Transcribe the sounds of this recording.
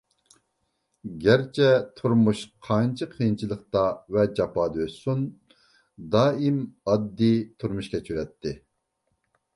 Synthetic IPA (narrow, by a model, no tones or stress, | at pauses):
ɡʲæɾt͡ʃʰɛt̪ʰuɾmuʃqʰɑnt͡ʃʰɨqʰijnt͡ʃʰilˠəqt̪ɑvɛd͡ʒɑpɑːd̪øssun | d̪ɑːimɑd̪ːit̪ʰuɾmuʃkʲɛt͡ʃʰyɾɛt̪ʰːɪ